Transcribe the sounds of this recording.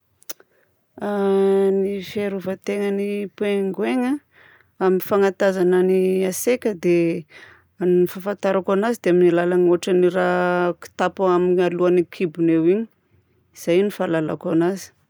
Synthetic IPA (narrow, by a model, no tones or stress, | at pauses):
anifaɾuvat̪eŋənipweŋɡweŋa | aminfaŋat̪azananiasekʲəd̪e | annifafant̪aɾakanazid̪eaminilalanoaʈ͡ʂaniɾaki̥t̪apaaminaluanikʰibunewiɲi̥ | iz̥ajnifalala̰kanazi̥